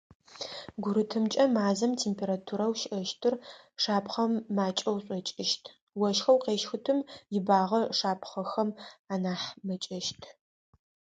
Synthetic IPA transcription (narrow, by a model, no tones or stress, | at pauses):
ɡʷʊɾɨtʰɨmt͡ʃʼɐmaːzɐmtʰeːmpʰeːɾatʰuɾɐwʃʔɐʃtʰɨr | ʂaːpʰχɐmːaːt͡ʃʼɐwɕʼɔt͡ʃʼɪʃtʰ | wɐʃxɐwqeːʃxʊtʰɨmjɪbaːʁɐʂaːpʰχɐxɐmaːnaːħmɐt͡ʃʼɐʃtʰ